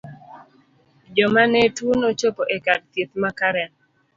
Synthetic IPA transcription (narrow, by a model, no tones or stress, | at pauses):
d͡ʒɔmanetwonot͡ʃopoʔekad̚t̪jet̪makaɾɛn